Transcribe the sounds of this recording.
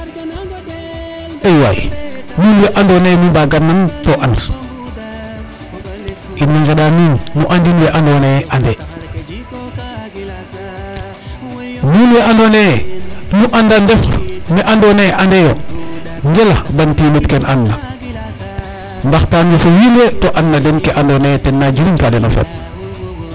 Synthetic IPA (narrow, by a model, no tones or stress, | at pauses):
ejwa̰j̰nuːnweʔandonemibaɡanːantoʔans | ʔinːaŋɡeɗaminːuʔandinweʔandoneʔande | nuːnweandone | nuʔandandefmeʔandoneʔandejo | ŋɡelabantimitkenanːa | mbaxtanifojinwetoʔanːadenkeʔandonetenːad͡ʒiɾintadenofḛt̚